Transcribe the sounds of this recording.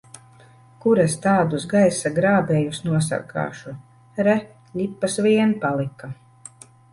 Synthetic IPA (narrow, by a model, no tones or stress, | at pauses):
kuɾast̪aːd̪usɡajsaɡɾaːbɛːjusnuɔsa̰ka̰ːʃu | ɾɛ | lʲipːasvʲiɛnpalˠika